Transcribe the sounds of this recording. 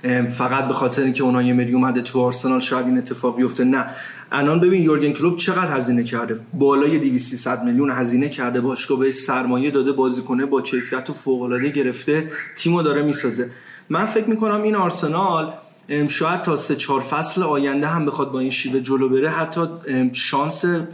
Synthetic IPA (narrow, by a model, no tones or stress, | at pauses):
fæɣæt̪̚be̞xɒːt̪ʰeɾeiːŋcʰeunhɒːjemeɾiomæd̪et̪ʰuɒːɾse̞nɒːlʃɒːjæd̪iːne̞t̪ʰːe̞fɒːɣbijo̞ft̪enæ | ʔælɒnbe̞biːnjoɾɡenkʰlob̚t͡ʃʰe̞ɣæd̪hæziːne̞cʰæɾd̪ebɒːlɒːje̞d̪iviːst̪sisæd̪̚meljunɦæziːne̞cʰæɾd̪e̞bɒːʃɡɒbeheʃsæɾmɒːjed̪ɒːd̪e̞bɒːziːkʰo̞nebɒːcʰe̞jfijæt̪ʰofoɣo̞lɒːd̪eɟe̞ɾe̞ft̪e̞t̪ʰiːmod̪ɒːɾemiːsɒːze̞ | mænfe̞cmiːko̞næmiːnɒɾse̞nɒl | ʃɒːjæd̪̥̚t̪ʰɒːse̞t͡ʃʰɒːɾfæsleɒːjænd̪eɦæmbe̞xɒd̪̚bɒːinʃiːve̞d͡ʒolobe̞ɾeɦæt̪ʰːɒːʃɒːnse